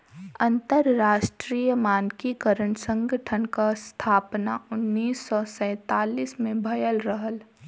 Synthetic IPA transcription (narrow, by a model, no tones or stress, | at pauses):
ɐ̃nt̪əɾːaːʃʈɾiːjəmaːnkikəɾəɳsə̃ŋɡʱəʈʰənkast̪ʰaːpnaʊnːiːsːɔsɛ̃ːt̪aːliːsmẽbʱɐjəlɾəɦəl